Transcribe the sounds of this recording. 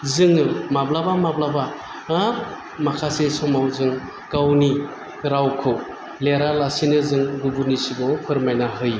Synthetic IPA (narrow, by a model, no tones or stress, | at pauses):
zɯŋɯmablabamablabaː | makʰasesɔmawzɯŋ | kawni | ɾawkʰɯw | leɾalasinɯzɯŋɡubunisiɡɔpʰɯɾmajnaɦɯj